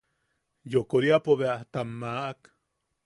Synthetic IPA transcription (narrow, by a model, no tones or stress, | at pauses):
jokoɾiapoβeat̪amːaʔak